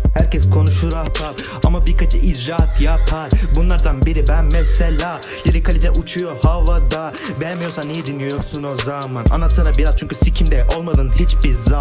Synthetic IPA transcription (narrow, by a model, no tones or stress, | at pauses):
hæɾcɛskʰo̞nuʃuɾaht̪ʰaɾ | amabiɾkat͡ʃʰɯʔid͡ʒɾat̪ʰjapʰaɾbunlˠaɾd̪anbiɾibæmmːɛsɛlʲa | janɛkʰalʲit̪ʰɛʔut͡ʃʰujo̞havad̪a | bɛjmijoɾsanijɛd̪inijo̞ɾsunozamana̰nˠat̪ʰɯɾabiɾaz̥t͡ʃʰynɲcysicʰimd̪ɛʔo̞lˠmad̪ɯnhit͡ʃbiɾza